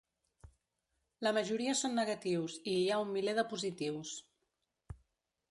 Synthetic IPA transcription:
ləməʒuɾiəsonːəɣət̪iwziaumːileðəpuzit̪iws

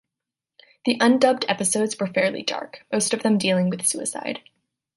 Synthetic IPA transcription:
ðiʔʌ̃ndʌb̚dɛpɨsoʊdzwə˞fɛɹlˠḭdɑ̰ɹkmoʊstʌvðɨ̃mdilˠɪ̃ŋwɨð̥sʉɨ̰sa̰ɪd̥

